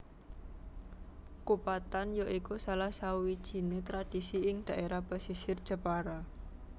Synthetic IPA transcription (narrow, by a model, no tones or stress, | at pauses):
kupat̪anjoʔikusalahsawid̥ʒ̥i̤net̪ɾad̥isiɪŋd̪̥a̤ʔeɾab̥asisɪrd̥ʒ̥a̤paɾa